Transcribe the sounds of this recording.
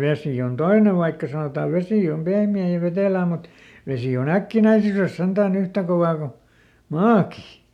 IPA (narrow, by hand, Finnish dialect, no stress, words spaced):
ʋesiˑ on toine ʋɑikːɑ sɑnotɑː ʋesiˑ om pehmiæˑ jɑ ʋeteˑlæː mut ʋesi on ækːinæisyres sentæːn yhtæ koʋɑː ku mɑːki